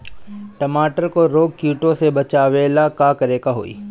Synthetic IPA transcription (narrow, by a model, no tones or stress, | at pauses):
ʈɐmaːʈəɾkoɾoːɡ̚kjuːʈõsebɐt͡ʃaːʋeːlakaːkɐɾeːkaɦo̰ːḭː